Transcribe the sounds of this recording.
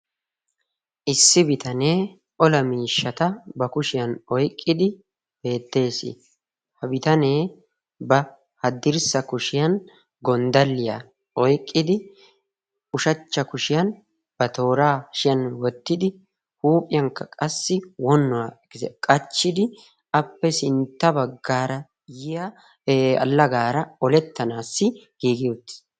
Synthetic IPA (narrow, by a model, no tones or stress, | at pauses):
ʔɪsːɪbɪt̪ɐne̞ː | ʔɔlɐmiːʃːɐt̪ɐbɐkʊʃɪjɐnɔjkʼːɪd̪ɪ | be̞ːt̪ːe̞ːsɪ̰ | hɐbɪt̪ɐne̞ː | bɐ | hɐd̪ɪɾsɐkʊʃɪjɐn | ɡɔnd̪ɐlːɪja | ɔjkʼːɪd̪ɪ | ʊʃɐt͡ʃːɐkʊʃɪjɐn | b̥ɐt̪o̞ːɾaːʃɪjɐnwɔt̪ːɪd̪ɪ | huːpʼɪjɐŋkːɐkʼɐsːɪwɔnːʊwa | ɛkʼɐt͡ʃːɪd̪ɪ | ʔɐpːɛsɪnt̪ːɐbɐɡːaːɾɐ | jɪjɐ | ɐ̰lːɐɡaːɾɐɔlɛt̪ːɐnaːsːɪɡ̥iːɡɪjut̪ːɪ̥